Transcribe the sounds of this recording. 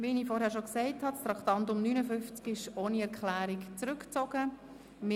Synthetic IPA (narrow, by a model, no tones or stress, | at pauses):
ʋinifɔɾɦhæːɾʃoksɛɪthɑtst̪ɾɑkχt̪ɑnt̪ʊmnynəfʏnft͡skɪʃoːniɛɾkχlæːɾɪkt͡sɾʉkt͡sɔɡə | mɪ